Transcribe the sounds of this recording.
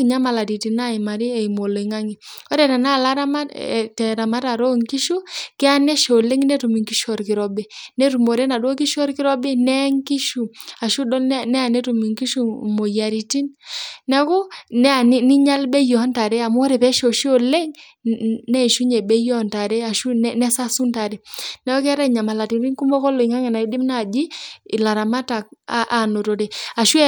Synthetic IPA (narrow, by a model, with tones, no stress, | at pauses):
i˨ɲa˦ma˨la˨ti˨ti˨na˦i˨ma˨ɾi˦ɛ˨i˨mo˨lo˨i˨ŋa˦ŋi˨o˦ɾɛ˨ta˨na˦˨la˦ɾa˦ma̰˦˨tɛ˨ɾa˨ma˦ta˨ɾo˦ŋki˦ʃu˦kɛ˦a˦nɛ˦ʃo˨le˦ŋnɛ˦tu˨mi˨ŋki˦ʃɔ˨ɾki˨ɾɔ˦be˨nɛ˦tu˨mo˨ɾɛ˦na˨dwo˦ki˦ʃɔ˦ɾki˦ɾɔ˦be˦nɛ˦ŋki˦ʃu˨a˨ʃu˦dɔ˦nɛ˦a˨nɛ˦tu˨mi˨ŋki˦ʃu˦mo˨ja˨ɾi˨ti˦nnɛ˦kɔ˦nɛ˦˨ni˦ni˦ɲa˦lbɛ˦jɔ˨˦nta˨ɾɛ˦a˨mo˦ɾɛ˨pɛ˦ʃo˨ʃi˦o˨lɛ˦ŋ | nɛ˦˨ʃu˦ɲɛ˨bɛ˦jɔ˦˨nta˨ɾɛ˦a˨ʃu˦nɛ˦nɛ˦sa˦su˦nta˨ɾɛ˨nɛ˦ɔ˦kɛ˦ɾa˦i˨ɲa˨ma˨la˨ti˨nɾi˦ŋku˦mɔ˦kɔ˦lo˨i˨ŋa˦ŋɛ˨na˨i˦di˦mna˦˨d͡ʒiː˦˨la˨ɾa˨ma˦ta˨k̚a˦ʔa˨no˨to˨ɾe˨a˨ʃu˦